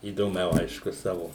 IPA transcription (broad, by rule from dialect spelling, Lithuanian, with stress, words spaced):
iːdoːˈmʲɛʊ ˈɐɪʃkʊ ˈsɑːʋoː